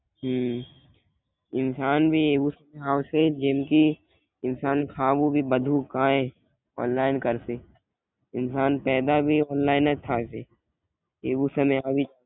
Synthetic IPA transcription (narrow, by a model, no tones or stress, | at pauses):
ɦ | ɪnsaːnbʱieːbusɐmeaːwsed͡ʒẽmki | ɪnsaːnkʰaːbubʱibəd̪ʱukaːẽ | ɔ̰ːnlaːɪnkəɾse | ɪnsaːnpɛːd̪abʱiɔːnlaːɪnət̪ʰaːse | eːbusəmeabʱi